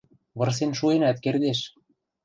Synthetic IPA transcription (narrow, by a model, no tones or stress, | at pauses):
βɤ̆rs̬enʃuenæt̪kerd̪eʃ